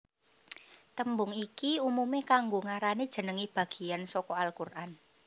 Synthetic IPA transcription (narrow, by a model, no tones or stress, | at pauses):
t̪əmbʊŋikiumumekaŋɡoŋaɾanid̥ʒ̥ə̤nəŋib̥a̤ɡ̥i̤ansɔkɔalkurʔan